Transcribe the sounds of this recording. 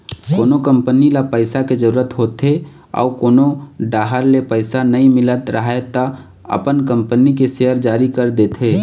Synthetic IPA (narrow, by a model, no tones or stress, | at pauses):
koːnokəmpənilapəɪsaked͡ʒəɾuːɾət̪ɦoːt̪e | ɔ̰ːkoːnoɖaːɦəɾlepəɪsanəĩmɪlət̪ɾəɦaet̪a | ə̰pənkə̃mpənikeseəɾd͡ʒaːɾikəɾd̪eːt̪ʰeː